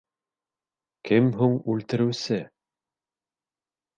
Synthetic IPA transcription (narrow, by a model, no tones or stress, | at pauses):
kɘmɦuɴʉlt̪ɘ̆ɾɘ̆wsɘ